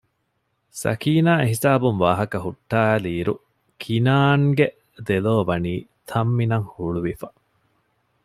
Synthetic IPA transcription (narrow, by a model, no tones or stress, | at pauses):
sɐ̰kiːnaːeɦisaːbunʋaːɦɐkɐɦuʈːaːæliːɾu | kʰinaːŋɡe | d̪eloːʋɐniːt̪ʰɐmːinɐŋhuɭuʋifɐ